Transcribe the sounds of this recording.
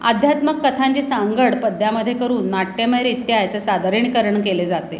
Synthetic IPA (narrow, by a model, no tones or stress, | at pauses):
a̰d̪ʱjat̪məkːət̪ʰaɲt͡ɕesaŋɡəɽpəd̪ʱjaməd̪ʱːjekəɾuːnːaʈːeməɾit̪jaajt͡səsad̪ʱaɾiɳ̃ikəɾəɳkeled͡zat̪ḛ